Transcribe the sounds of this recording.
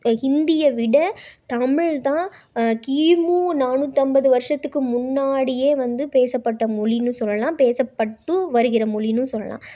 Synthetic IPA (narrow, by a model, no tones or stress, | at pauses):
ɪnd̪ɪjɐʋɪɽɐt̪ɐmɪɻt̪ãː | kiːmuːnaːnut̪ːɐmbɐðɯʋɐɾʂɐt̪ːɯkːɯmʊnːaːɽɪjeːʋɐnd̪ɯpeːsɐpːɐʈːɐmʊɭɪnɯ̃sɔlːɐlãːpeːsɐpːɐʈːɯʋɐɾɯɣɪɾɐmɔlɪnɯ̃sɔlːɐ̰lã̰ː